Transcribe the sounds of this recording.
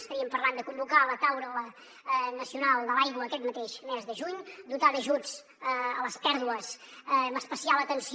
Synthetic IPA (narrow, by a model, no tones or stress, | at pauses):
st̪əɾiəmpəɾland̪əkumbukalət̪awɾələ | nəsiunalˠd̪əlajɣwəːkɛt̪mət̪eʃmɛzðəʒuɲd̪ut̪aðəʒud͡z | əələspɛɾðuəsəməspəsialˠət̪ənsi